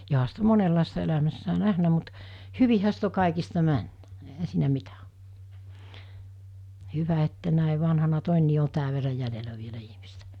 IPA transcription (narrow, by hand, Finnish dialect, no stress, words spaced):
joɦɑ sit o monelːɑˑistɑ elæmæsːæː næhnæ mut hyʋihæ sit o kɑˑikistɑ mænːæ̥ ehæ siːnæ mitæ o hyʋæ etːæ næˑe ʋɑnhɑnɑ toˑenːiː o tæːʋ̆ ʋerːɑ jælelæ ʋielæ ihmistæ